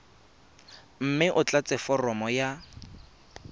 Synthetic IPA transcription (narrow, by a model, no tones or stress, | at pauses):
m̩mɪʔʊt͡ɬat͡sʼɛfɔrɔmɔja